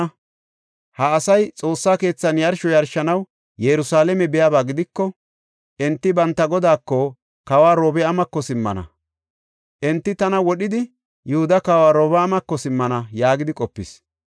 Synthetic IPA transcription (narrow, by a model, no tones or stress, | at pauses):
hɐːsɐjt͡sʼo̞ːsːaːke̞ːt͡sːɐnjɐɾʃɔjɐɾʃɐnɐw | jɛɾʊsaːlɛmɛbɛjaːbaːɡɪd̪ɪkːɔ | ʔɛnt̪ːɪbɐnt̪ːɐɡɔd̪aːkːɔ | kawaːɾo̞ːbɛɐmɐkːɔsɪmːɐ̰nɐ̰ | ʔɛnt̪ːɪt̪ɐnɐwɔɗɪd̪ɪ | jʊhʊd̪ɐkaːwaːɾoːbɛɐmɐkːɔsɪmːɐnɐjaːɡɪd̪ɪkʼɔpːɪs